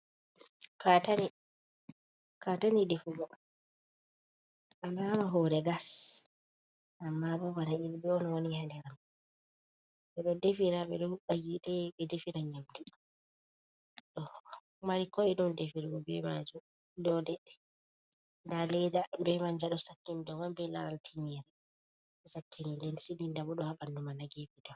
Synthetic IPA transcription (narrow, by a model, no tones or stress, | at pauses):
katani | katanidefuɡɔ | ʔananaɦɔɾɛɡas | ʔamːabɔbanailbɛɔnɔwanihandɛɾam | ɓɛɗɔdefiɾaɓɛɗɔhuɓajiɗɛɓɛdefiɾaɲamdi | ɗɔ | maɾikɔiɗumdefiɾɔbɛmad͡ʒu | dɔdɛɗːɛ̥ | ndalɛdabɛmaɲd͡ʒaɗɔsakːimdɔmambɛlaɾaltʰiɲɛɾɛ | ɗɔsakːinilɛnsidindabɔɗɔhaɓandumanaɡebidɔ